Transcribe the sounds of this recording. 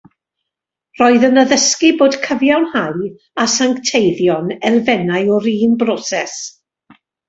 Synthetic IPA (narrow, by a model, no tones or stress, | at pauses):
r̥ɔɨðənəðəskiboːd̥kʰəvjawnhaɨ | asaŋktʰejðjɔnɛlˠvɛnaɨɔɾiːnbrɔsɛs